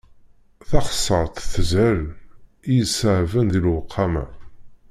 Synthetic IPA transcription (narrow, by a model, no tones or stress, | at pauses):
θɑχəsˤːəɾˤt̪θəzæɾ | ijəsaʕvənðilwəqʰːɑmæ̰